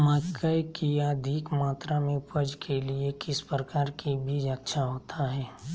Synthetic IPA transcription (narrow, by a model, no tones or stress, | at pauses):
maːkəikiəd̪ʱikmaːt̪ɾamẽʊpəd͡ʒkʰeliekɪspɾəkaːɾkibʱiːd͡ʒɐtːʃʰaɦoːt̪ʰaɦɛː